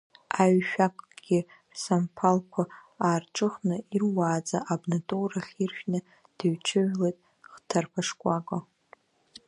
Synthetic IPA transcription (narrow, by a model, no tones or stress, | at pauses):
aɥʃᶣakʷʼɡ̥ʲɪ | rsampʰalkʷʰa | aːrʈ͡ʂʼɨχnɨirwaːd͡zaʔabnatʼowraχʲirʃᶣnɨ | d̥ɨɥt͡ʃʰɨʕlejtʼ | χtʰarpʰaʂkʷʼakʷʼa